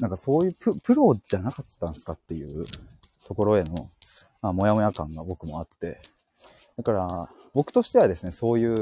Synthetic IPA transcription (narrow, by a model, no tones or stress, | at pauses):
nãŋkaso̞ːjɯ̟ːpɯ̟pɯ̟ɾo̞ʑanakat̪ːãnsɨ̥kat̪ːe̞jɯ̟̰ː | t̪o̞ko̞ɾo̞e̞no̞mamo̞jamojakãŋɡabo̞kɯ̟mo̞at̪ːe̞̰ | d̪akaɾa | bo̞kɯ̟̥t̪o̞ɕi̥t̪e̞βad̪e̞sɨne̞so̞ːjɯ̟ː